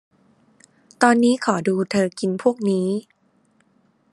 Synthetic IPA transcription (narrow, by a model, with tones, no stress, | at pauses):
t̪ɔː˧nːiː˦˥kʰɔː˩˦duː˧t̪ʰɤː˧ki˧npʰu˥˩ək̚niː˦˥